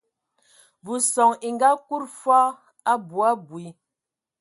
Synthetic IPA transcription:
vu˨sɔ˨ŋi˨ŋɡa˦ku˦ɾfa˦ | a˦bu˨a˦bwi˨˦

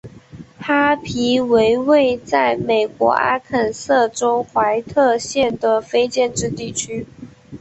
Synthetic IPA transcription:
ha˥pʰi˧˥we˧˥ɪwe˥˧ɪt͡sa˥˩ɪme˨˩ɪkwɔ̰˧˥ʔa̰˥kʰə˨˩nsɤ˥˩ʈ͡ʂo˥ʊxwa˧˥ɪt̪ʰɤ˥˧ɕjɛ˥˩nd̪ə˩fe˥ɪt͡ɕjɛ˥˧nʈ͡ʂɻ̩˥˧t̪i˥˩t͡ɕʰy˥

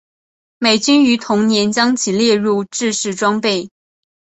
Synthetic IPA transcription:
me˨˩ɪt͡ɕy˥ny˧˥t̪ʰʊ˧˥ŋnjɛ˧˥nt͡ɕjɑ˥ŋt͡ɕʰi˨˩ljɛ˥˧ɻu˥˧ʈ͡ʂɻ̩˥˧ʂɻ̩˥˩ʈ͡ʂwɑ˥ŋpe˥˩ɪ

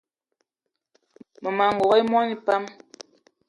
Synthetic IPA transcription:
mə˨ma˨ŋ˨ɡo˨ɣɛ˦jmwa˦ni˦pa˦m

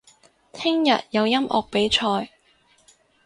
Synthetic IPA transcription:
t̪ʰɪ˥ŋjɐ˨t̚jɐ˨˧wjɐ˥mʔɔ̰ː˨˩k̚pe˨˥jt͡ʃʰɔː˧j

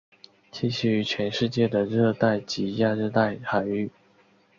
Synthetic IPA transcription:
t͡ɕi˥˧ɕy˥˩y˧˥t͡ɕʰɥɛ˧˥nʂɻ̩˥˧t͡ɕjɛ˥˩d̪ə˩ɻɤ˥˧t̪a˥˩ɪt͡ɕi˧˥ja˥˧ʈ͡ʂɤ˥˧t̪a˥˩ɪxa˨˩ɪy˥˩

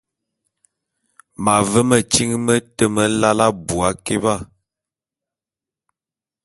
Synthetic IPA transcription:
ma˨və˦mə˨t͡ʃi˦ŋmə˦tə˦˨mə˦la˦la˦bu˨a˨˦ke˦ba˦˨

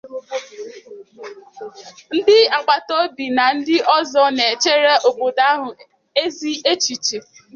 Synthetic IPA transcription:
n̩˦dɪ˦a˨k͡pa˨to˦bi˨na˨n̩˦dɪ˦ʔɔ˦zɔ˦ne˨e˨t͡ʃe˦ɾe˦ʔo˨bo˨da˦ɦʊ˨ | e˦zi˦ʔe˦t͡ʃi˨t͡ʃe˨

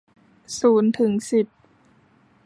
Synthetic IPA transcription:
suː˩˦nt̪ʰɯ˩˦ŋsi˨˩p̚

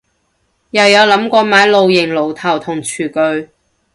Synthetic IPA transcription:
jɐ˨˧wjɐ˨˧wlɐ˨˥mkʷɔː˧maː˨˥jlo˧wjɪ˨˩ŋlo˨˩wt̪ʰɐ˨˩wt̪ʰʊ˨˩ŋt͡ʃʰyː˨˩kɵ˧ɥ

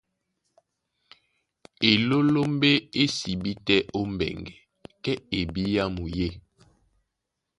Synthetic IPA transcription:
e˨lo˦lo˦m˦be˦e˦si˨bi˦tɛ˦ʔo˦m˨bɛ̰˨ŋɡɛ˨ | kɛ˦e˨bi˦ja˦mu˨je˦˨

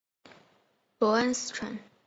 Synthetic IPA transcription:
pɔ˧˥ə˥ns̩˥ʈ͡ʂʰwa̰˧˥n

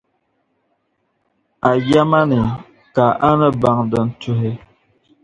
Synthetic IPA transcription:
a˨ja˦ma˦ni˨ | ka˨ʔa˦nə˦ba˨ŋdə˨n̩˨tu˦ɦe˦

